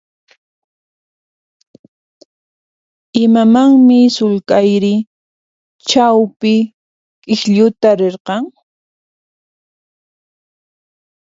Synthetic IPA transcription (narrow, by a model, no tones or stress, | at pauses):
ɪmamaŋmɪsʊlkajɾɪ | t͡ʃawpɪ | kʼɪxʎʊt̪aɾeɾqɑŋ